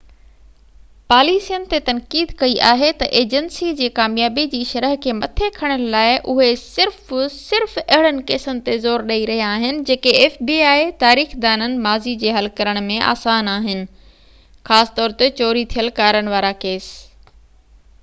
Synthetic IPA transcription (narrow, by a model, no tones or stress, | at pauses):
paːliːsijənɪ̆t̪et̪ɐnkiːd̪kɐiʔaːɦet̪ɐʔeːd͡ʑənsid͡ʑeːkaːmjaːbid͡ʑiːʃɐɾəɦkʰeːmɐt̪ʰekʰɐɽ̃əlaːɪʔʊɦesɪɾfsɪɾfɐɦɪɽənɪ̆keːsənɪ̆t̪ezoːɾɗɐiɾɐɦijaːɦɪnɪ̆d͡ʑeːkeeːfbiːaːet̪aːɾiːxd̪aːnənɪ̆maːzid͡ʑeːɦɐlkɐɾəɽ̃̆mẽʔa̰ːsaːnaːɦɪnɪ̆ | xaːsɪ̥t̪ɔːɾt̪et͡ɕɔːɾit̪ʰijəlkaːɾəɽ̃ɪ̆ʋaːɾakeːs